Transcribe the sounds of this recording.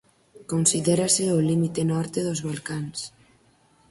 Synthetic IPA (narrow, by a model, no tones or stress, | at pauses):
konsiðeɾaseolimit̪enɔɾt̪eðozβalkans